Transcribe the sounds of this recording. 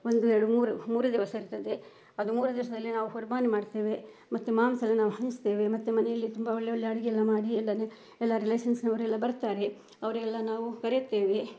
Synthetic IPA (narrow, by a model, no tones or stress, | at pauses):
o̞nd̪uɛɾɐɽumuːɾumuːɾud̪iʋɐsɐiɾut̪ːɐd̪e̞ | ɐd̪umuːɾɐd̪iʋɐʃɐd̪ɐlːinaːʋuɦoːɾmaːnimaːɖt̪e̞ːʋe | mɐt̪ːumaːmsɐlːinaːʋuɦɐnist̪e̞ːʋe̞mɐt̪ːumɐnɛjɐlːit̪umbɐoɭːɛɭːjɐɐɽiɡɛlːɐmaːɽiɛlːɐne | ɛlːɐɾileːsɐnsnɐʋɐɾɛlːɐbɐɾt̪aːɾe̞ | ɐʋɐɾɛlːɐnaːʋukɐɾejut̪ːe̞ːʋe̞